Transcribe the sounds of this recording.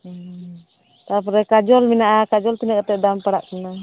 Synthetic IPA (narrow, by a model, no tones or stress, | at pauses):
t̪apɾɛkad͡ʒɔlminaʔakad͡ʒɔlt̪inəkat̪ɛʔdampaɽaʔkəna